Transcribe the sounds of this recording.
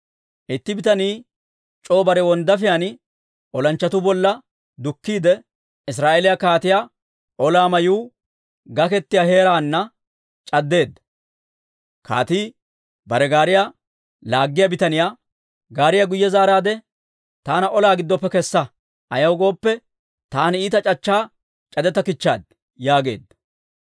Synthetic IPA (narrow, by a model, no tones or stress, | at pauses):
ʔɪt̪ːɪbɪt̪ɐniː | t͡ʃʼo̞ːbɐɾɛwɔnd̪ɐfɪjanɪ | ɔlɐnt͡ʃːɐt̪ʊbɔlːɐ | d̪ʊkːiːd̪ɛ | ɪs̬ɾaːʔeːlɪjakaːt̪ɪja | ʔɔlaːmɐjuː | ɡɐkɛt̪ːɪjahe̞ːɾaːnːɐ | t͡ʃʼɐd̪ːe̞ːd̪ːɐ | ka̰ːt̪iː | bɐɾɛɡaːɾɪja | laːɡːɪjɐbɪt̪ɐnɪjaː | ɡaːɾɪjɐɡʊjːɛzaːɾaːd̪ɛ | t̪aːnɐʔɔlaːɡɪd̪ːɔpːɛkɛsːɐ | ʔɐjɐwɡo̞ːpːɛ | t̪aːniːt̪ɐt͡ʃʼɐt͡ʃːaː | t͡ʃʼɐd̪ɛt̪ːɐkɪt͡ʃːa̰ːd̪̚ | jaːɡe̞̰ːd̪ːɐ